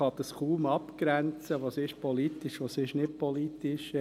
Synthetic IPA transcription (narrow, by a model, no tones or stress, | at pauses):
ɑd̪ɑskuːmɑpkɾænt͡səʋoːsɪʃpɔlit̪iʃʋosɪʃnɪt̚pɔlit̪iʃ